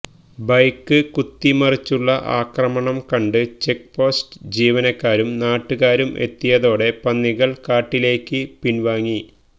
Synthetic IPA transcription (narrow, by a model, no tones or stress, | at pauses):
bɐjkːɨkut̪ːimɐrit͡ɕːuɭːɐʔa̰ːkrɐmɐɳɐmkɐɳɖɨt͡ɕe̞k̚po̞ːsʈɨd͡ʑiːʋɐnɐkːaːɾumnaːʈːuɣaːɾumʔe̞̰t̪ːijɐðo̞ːɽe̞pɐnːiɣɐɭkaːʈːile̞ːkːɨpinʋaːŋːi